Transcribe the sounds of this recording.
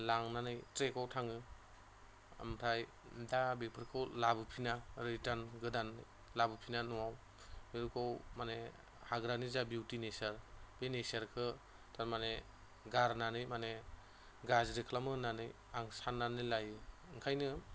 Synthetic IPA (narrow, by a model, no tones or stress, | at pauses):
laŋnanɯjtɾekawtʰaŋɯ | a̰mtʰaj | dabipʰɯɾkʰɯwlabɯpʰinaɾitanɡɯdanːɯ | labɯpʰinanuwaw | miɾukɔwmane | haɡɾanizabiwtinesaɾbenesaɾkʰɯ | tʰaɾmane | ɡaɾnanɯjmane | ɡazɾekʰlamɯnanɯj | aŋsanːanɯjlajɯ | ŋkʰajnɯ